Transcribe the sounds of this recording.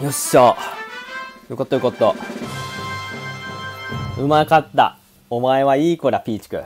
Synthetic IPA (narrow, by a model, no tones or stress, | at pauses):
joɕo | jɯkot̪ːoɯ̟kot̪ːo | ɯ̟makat̪ːa̰ | omaeβaiːkoɾapʲiːt͡ɕi̥kɯ̟̰